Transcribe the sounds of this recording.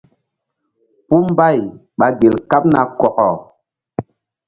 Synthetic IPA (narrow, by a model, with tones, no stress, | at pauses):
pu˦mba˦˨j | ɓa˨ɡe˨lka˦p̚na˨kɔ˨kɔ˨